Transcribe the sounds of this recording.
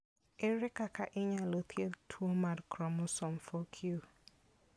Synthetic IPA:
eɾɪkakaʔɪɲalot̪jeltʰuomaɾkɾɔmʊsɔm̩fokʰjo

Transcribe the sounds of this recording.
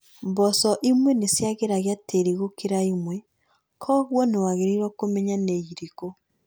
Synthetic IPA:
mbɔsɔʔimwɛnesjaɣeɾaɣeateɾiɣokeɾaimwɛ | kʰɔɣwɔnewaɣeɾiɾwɔkomɛɲaneiɾiko

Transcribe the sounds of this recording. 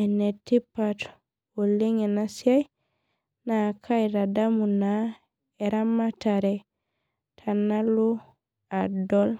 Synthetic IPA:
ɛnetːipːat | wolːeŋɛnasaj | nakʰajɾadamuna | ɛɾamːataɾɛ | tʰanalu | adɔl

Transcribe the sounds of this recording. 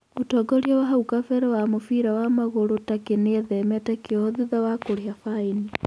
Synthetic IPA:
otɔɡɔɾjɔwaɦaukafɛɾɛwamofiɾawamaɣoɾotakeneðɛmɛtakeɔðiðawakoɾiafaini

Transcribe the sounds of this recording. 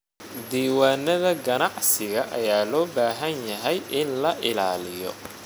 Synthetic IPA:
d̪iːwaːnɐðɐɡɐnɑʕsɪɣɐʔɐjaːlɔːbaːɦɐnjɐɦɛjʔɪnlɐʔɪlaːlɪjɔ̰

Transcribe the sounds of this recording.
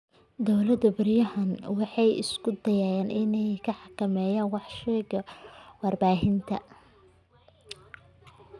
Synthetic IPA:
d̪ɔwlɐd̪ɐbɪrjɐɦɐnwɑħɑjɪ̰skʰʊd̪ɐjaːjaːnʔɪnɛjkʰɐħɑkʰɐmɛːjaːnwɑħʃɛɡɐwɑrbaːɦɪnt̪ʰɐ

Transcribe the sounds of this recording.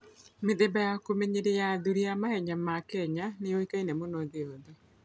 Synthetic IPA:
meðebajakomeɲeɾejaðuɾijamahɛɲamakɛɲanejoikainɛmonoðeoðe

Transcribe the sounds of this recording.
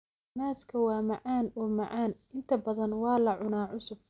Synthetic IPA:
naːskʰɐwɑːmɑʕaːnɔːmɑʕaːn | ɪnt̪ʰɐbɐðɐnwɑːlɐʕʊnaːʕʊsʊb̚

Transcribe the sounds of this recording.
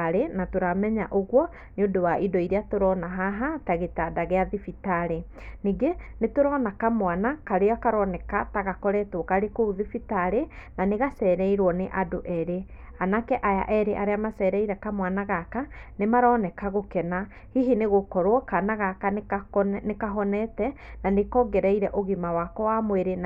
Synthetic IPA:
ɾenatoɾamɛɲaʔoɣwɔ | neodowaʔidɔiɾeatoɾɔnaɦaɦataɣetadaɣeaðifitaɾe | niɡenetoɾɔːnakamwanakaɾeɔakaɾɔnɛkataɣakɔɾɛtokaɾekouðifitaɾenaneɣasɛɾɛiɾwɔneʔadoʔɛɾe | anakɛʔaja̰ʔɛɾeʔaɾeamasɛɾɛiɾɛkamwanaɣakanemaɾɔːnɛkaɣokɛna | hiɦineɣokɔɾwɔkanaɣaka | nekaɦɔnɛtɛnanekɔɡɛɾɛiɾɛʔoɣimawakɔwamweɾen

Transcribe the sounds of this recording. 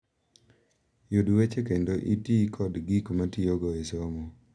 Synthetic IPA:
jodwet͡ʃekendoʔitikʰɔdɡikomatioɡɔesomo

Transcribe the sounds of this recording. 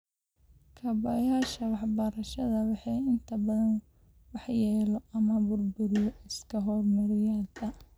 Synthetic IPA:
kʰɐbɐjaːʃɐwɑħbɐɾɐʃɐðɐwɑħɑjɪnt̪ʰɐbɐðɐn | wɑħjɛːlɔɐmɐbʊrbʊɾɪjɔɪskʰɐɦɔrmɐɾɪjaːd̪ɐ

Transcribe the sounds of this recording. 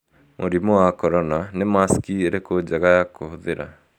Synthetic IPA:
mõ̰ɾimoakɔɾɔnanɛmaskiɾekod͡ʒaɡajakɔɦd̪eɾa̰

